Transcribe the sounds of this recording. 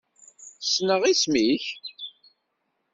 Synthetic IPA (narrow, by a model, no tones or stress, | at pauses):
snəʁismiç